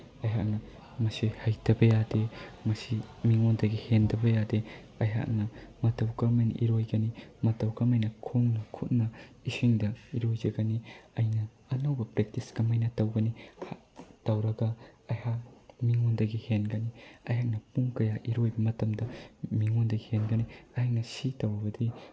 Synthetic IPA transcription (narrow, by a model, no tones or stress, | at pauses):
ɐjɦa̰k̚nɐ | mɐsihajdɐbɐjademɐsimiŋondɐɡihendɐbɐjade | ɐjɦa̰k̚nɐmɐtɐwkɐmejnʔḭɾojɡɐnimɐtɐwkɐmajnɐkʰoŋnɐkʰut̚nɐisiŋdɐiɾojd͡ʒɐɡɐniɐjnɐː | nɐwbɐpɾek̚tiskɐmɐjnɐtɐwɡɐnihatɐwɾɐɡɐɐjhak̚miŋondɐɡihenɡɐniɐjɦak̚nɐpuŋkɐjaʔiɾojbɐmɐtɐmdɐmiŋondɐɡihenɡɐniɐhak̚nɐsitɐwɾɐbɐdi